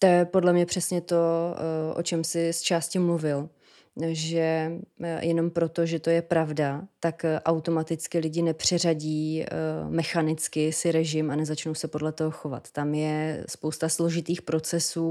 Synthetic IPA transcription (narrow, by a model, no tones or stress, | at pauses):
t̪ojɛpo̞dlɛmɲɛpr̝̥ɛsɲɛt̪o̞ʔo̰t͡ʃɛmsɪst͡ʃaːscɪmluvɪl | ʒɛ | jɛno̞mpɾo̞t̪o̞ʒɛt̪o̞jɛpɾavdat̪akʔawt̪o̞mat̪ɪt͡skɪlɪɟɪnɛpr̝̥ɛraɟiː | mɛxanɪt͡skɪsɪɾɛʒɪmanɛzat͡ʃno̞wsɛpodlɛt̪o̞ɦo̞xo̞va̰t̪ːamjɛspo̞wst̪aslo̞ʒɪt̪iːxpɾo̞t͡sɛsuː